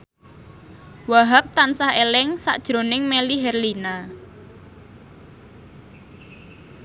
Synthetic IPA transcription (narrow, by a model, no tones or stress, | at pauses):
waɦap̚t̪ansahelɪŋsa̰ʔd̥ʒ̥ɾo̤nɪŋmeliɦɛrlina